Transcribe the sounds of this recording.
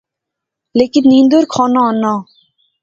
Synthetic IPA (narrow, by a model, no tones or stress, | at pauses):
lekinːind̪oɾkʰɔnɔɔnɔ